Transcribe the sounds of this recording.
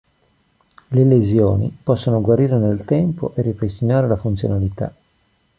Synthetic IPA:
lelezjoːnḭpɔsːonoɡwaɾiːɾenelt̪ɛmpo̰ʔerːipɾest̪inaːɾelafunt̪sjo̰nalit̪a̰

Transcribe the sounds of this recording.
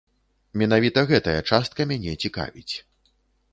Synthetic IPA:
mʲɛnavʲit̪ɐɣɛt̪ɐjɐt͡ʂast̪̚kɐmʲanʲɛt͡sʲika̰vʲit͡sʲ

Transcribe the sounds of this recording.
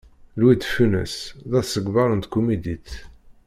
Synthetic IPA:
lwid̪funə̰sðæθsːəɡvɑɾˤənt̪kːumid̪it̪

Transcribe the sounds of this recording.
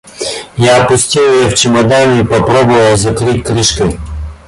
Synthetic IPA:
jaːpʊsʲtʲiljɛwt͡ʃɪmɔd̪anʲiːpɐpɾɔbʊʋɐlˠzɐkɾɪtʲkɾɪʃkɪ

